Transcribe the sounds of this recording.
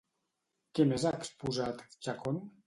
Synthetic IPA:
kemezaekspuzat̪t͡ʃakon

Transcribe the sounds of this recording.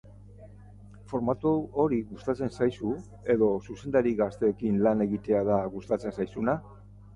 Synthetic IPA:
fo̞ɾmat̪uoɾiɣust̪at͡se̞nsajsu | e̞ðo̞suse̞nd̪aɾiɣast̪e̞ːkinlane̞ɣit̪e̞aðaɣust̪at͡se̞nsajsuna

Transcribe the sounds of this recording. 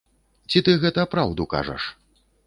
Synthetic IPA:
t͡sʲit̪ɨɣɛt̪ɐpɾawd̪uka̰ʐɐ̰ʂ

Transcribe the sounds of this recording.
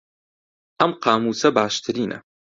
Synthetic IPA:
ʔɐmqɑːmuːsɐbaːʃt̪ʰɨɾiːnʔɐ̰

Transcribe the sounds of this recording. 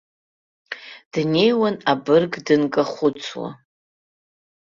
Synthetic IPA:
d̥ne̞jwanabɨrɡdɨnkʼaχʷʊt͡sʰwa̰

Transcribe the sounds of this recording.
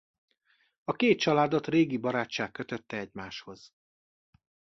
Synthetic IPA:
ɒkeːt̪̚t͡ʃɒlaːd̪ot̪reːɡibɒɾaːt͡ʃt͡ʃːaːkːøt̪øt̪ːɛɛɟmaːʃho̞z̥

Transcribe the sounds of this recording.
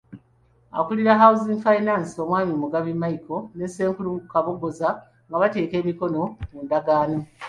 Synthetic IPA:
a̰kuliɾaɦauzinfainaːnsio̞ːmwaːmimuɡaβimajiko̞nese̞ːŋkulukaβoɡoza | ŋɡaβate̞ːke̞ːmiko̞no̞muːndaɡaːno

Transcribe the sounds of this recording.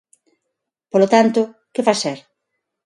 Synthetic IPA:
polot̪ant̪ʊ | kɪfaseɾ

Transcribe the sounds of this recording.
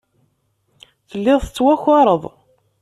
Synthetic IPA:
θəlːɪðˤθət͡sːwæxɑɾˤəðˤ

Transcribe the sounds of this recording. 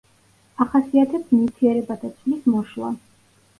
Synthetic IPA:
aχasiat̪ʰɛpsmit̪ʰiɛɾɛbad̪at̪sʰvlismɔʃlˠa̰

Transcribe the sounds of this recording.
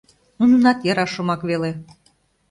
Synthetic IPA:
nununɑt̪jəɾɑʃŏmɑkβele

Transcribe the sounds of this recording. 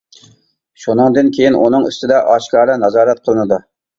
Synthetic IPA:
ʃunɨŋd̪ɨnkʲʰejinʔunɨŋy̰st̪ɪd̪ɛʔɑʃkɑːɾlɛnɑzɑːɾɛt̪̚qʰəlˠɨnɨd̪u

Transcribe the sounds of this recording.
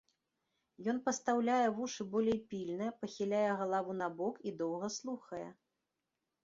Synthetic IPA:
jɔn̪pɐst̪awlʲajɛvuʂɨbɔlʲejpʲilʲnɨjpɐxʲilʲajɛɣɐlˠavunɐbɔkid̪ɔwɣɐslˠuxɐjɛ̰

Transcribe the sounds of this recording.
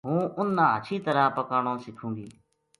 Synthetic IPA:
ɦũːʔʊnːãːɦət͡ʃʰiːt̪əɾaːpəkaːɳõːsɪkʰũːɡḭː

